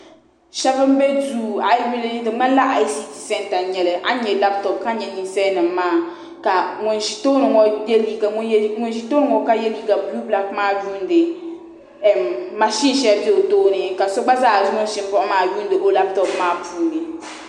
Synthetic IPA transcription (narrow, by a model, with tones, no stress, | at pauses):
ʃɛ˦bɨ˦m˦bɛ˦du˦˨a˦jbi˦lni˦dɨ˨ŋ͡ma˦n˦la˦ʔa˨jsi˦ti̥˦sɛ˦nta˨ɲɛ˨lɨ˨ʔa˦ɲɛ˨la˦p̚tɔ˨p̚ka˦ɲɛ˨ni˨n˦sɛ˦nɨ˨m˦maː˦˨ | ka˨ŋʊ˨nʒi˨˦to˦nɨ˨ŋɔ˨jɛ˦li˦ɡa˨˦ŋʊ˦n˦ʒi˦to˦n˨ŋɔ˨ka˦jɛ˦liː˦ɡa˨blu˦bla˦k̚maː˦ju˦n˦dɨ˨ | ma˨ʃi˦n˨ʃɛ˦a˦bi˦o˨toː˦nɨ˨ka˨sɔ˦ɡ͡ba˦zaː˦˨zŋʊ˦n˦ʃɪ˦m˦bɔ˦ʔʊ˦maː˦ju˦ndɨ˨ʔo˦la˦p̚tɔ˨pmaː˦pʰuː˨nɨ˨